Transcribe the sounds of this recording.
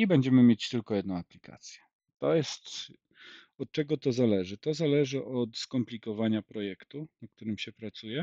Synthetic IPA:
ibɛɲd͡ʑɛmɘmʲjɛt͡ɕt̪ɘlkɔjɛd̪nɔ̃w̃aplʲikʰa̰t̪sʲjɛ̥ | t̪ɔjɛst̪ | ɔt̪̚t͡ʂɛɡɔt̪ɔzalɛʐɘt̪ɔzalɛʐɘʔɔt̪skɔmplʲikɔvaɲapɾɔjɛkt̪unak̚t̪uɾɘmɕɛpɾat̪sujɛ

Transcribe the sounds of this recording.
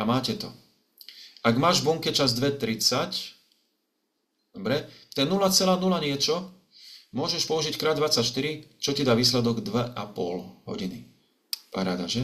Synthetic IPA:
amaːcɛt̪ɔ | aɡmaːʒbuŋkɛt͡ʃazd̪ʋɛt̪ɾit͡sac | d̪̥ɔbɾɛt̪ɛnulat͡sɛlaːnulaɲɪɛt͡ʃɔ | mʊɔʒɛʃpɔuʒickɾaːd̪ʋat͡sacʃt̪iɾit͡ʃɔcid̪aːʋiːs̬lɛd̪ɔɡd̪ʋɛʔapɔ̰lɦɔ̰ɟini | paɾa̰ːd̪aʒɛ

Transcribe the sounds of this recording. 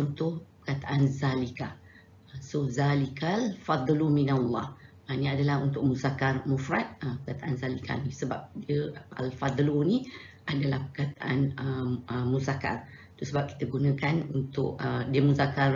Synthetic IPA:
t͡ʃɔnt̪ʊhpəkat̪aʔanzalika | sozalikalfɑd̪ˤluminalˤːɑ̰h | nĩadalahunt̪ʊk̚muzakarmufɾat̪̚əpəkat̪aʔanzalikʰa̰nisəbap̚diəa̰lfɑd̪ˤluni | ʔadalahpəkat̪aʔa̰nəəmuzaka̰r | t̪usəbap̚ki̥t̪əɡunə̃kanunt̪ʊ̰ʔədiəmuzakar

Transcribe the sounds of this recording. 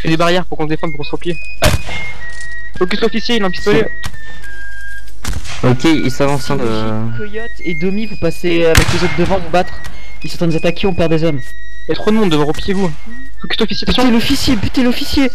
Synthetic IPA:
fɛd̪ebaʁjɛʁpuʁkɔ̃səd̪efɑ̃d̪puʁkɔ̃səʁəplije | fɔkʲyst̪ɔfisjeilɛ̃pi̥st̪oe | ɔkʲeḭlsavɑ̃sɛ̃d̪ə | kɔjɔt̪ed̪əmivupase | avɛklezot̪χd̪əvɑ̃vubat̪χ | ilsɑ̃t̪ʰɛ̃zat̪akʲʰeɔ̃pɛʁd̪ezɔm | jɛt̪χod̪əmɔ̃d̪ːəvɔʁəplijevũ | fɔkʲy̥st̪ɔfisjepsj̪̃elɔfisjebyt̪elɔfisje

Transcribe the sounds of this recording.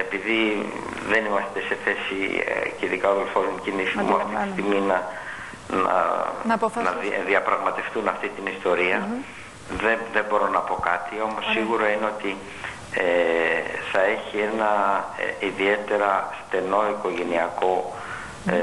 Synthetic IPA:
epiði | ðe̞nimɐst̪ese̞θe̞siceiðikɐoðelfolumcinisimṵɐft̪it̪i̥st̪iminɐ | nɐ̰ | nɐðiɐpɾɐɣmɐt̪e̞fθunɐft̪it̪inist̪o̞ɾiɐ | ðeðe̞bo̞ɾo̞nɐpo̞kɐt̪io̞mosːiɣuɾoineo̞t̪i | e | θɐe̞çie̞nɐ̰ | iðie̞t̪e̞ɾɐst̪e̞no̞iko̞ʝe̞niɐko̞

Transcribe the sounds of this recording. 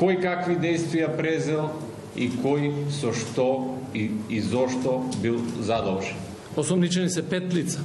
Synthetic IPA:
kojkakvid̪ɛjst̪vijapɾɛzɛlˠ | ikɔjsɔʃt̪ɔiizɔʃt̪ɔbilˠzad̪ɔlʒɛn | osɔmlit͡ʃɛnisɛpɛt̪lit̪sa

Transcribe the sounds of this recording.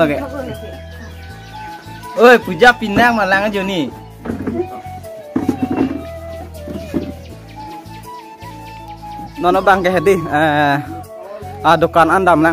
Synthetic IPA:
ɡɛ | ojpud͡ʒak̚pinaŋmalaŋad͡ʒoni | nɔnɔbaŋkɛɦɛdia | adɔkanandamla

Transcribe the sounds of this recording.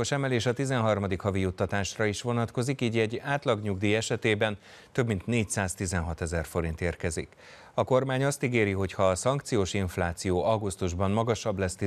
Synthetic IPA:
oʃɛmɛleːʃɒt̪izɛnɦɒrmɒd̪ikhɒvijut̪ːɒt̪aːʃrɒiʃʋo̞nɒt̪ko̞zikiːɟɛɟːaːt̪lɒɡɲuɡd̪iɛʃɛt̪eːbɛn | t̪øbmint̪neːcsaːst̪izɛnɦɒt̪ɛzɛrfo̞ɾint̪eːrkɛzḭk | ɒko̞rmaːɲɒst̪iɡeːɾiɦo̞chɒːsɒŋk̚t̪sijoːʃiɱflaːt̪sijoːʔɒɡust̪uʒbɒnmɒɡɒʃɒblɛst̪i

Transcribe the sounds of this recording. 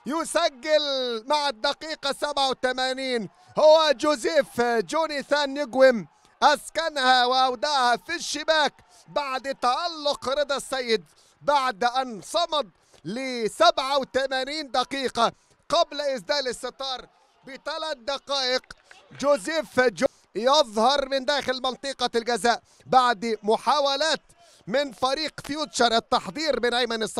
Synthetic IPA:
jʊsaɡːalmaʕad̪ːaqiːqɑsabʕawt̪amaniːn | hʊwːad͡ʒʊziːfd͡ʒuːniθaːnjɪɡwɪm | ʔaskanhawɪʔawd̪aːhafiʃːɪbaːk | baʕd̪ɪt̪ːaʕalːʊqɾˤɑd̪ˤɑsːajːɪd̪ | baʕd̪ʔansˤɑmɑd̪ˤ | lɪsabʕawt̪amaniːnd̪aqiːqɑ | qablʔɪsd̪aːlɪsːɨt̪ˤɑːɾˤ | bɪt̪alat̪̚d̪ɑqɑːʔɪq | d͡ʒuːziːfd͡ʒ | jɑðˤhɑɾˤmɪnd̪aːxɪlmɪnt̪ˤiːqɑlɡazaːʔ | baʕd̪mʊħaːwalaːt̪ | mɪnfaɾiːqfjuːt̪t͡ʃɑɾˤʔɪt̪ːɑħd̪ˤiːɾmɪnʔajmanɪsˤːɑ

